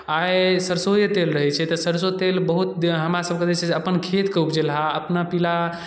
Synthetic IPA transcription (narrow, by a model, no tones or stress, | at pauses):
ajsəɾsojət̪elɾəɦɛt͡ʃʰɛt̪əsəɾsot̪elbəɦut̪̚ɦəmɾasəb̚ked͡ʒɛt͡ʃʰɛseəpənkʰet̪keup̚d͡ʒelɦaəpnapila